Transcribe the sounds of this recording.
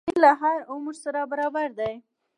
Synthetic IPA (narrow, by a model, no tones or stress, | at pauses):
ilaɦaɾʊmɾsaɾabaɾɑbaɾd̪aj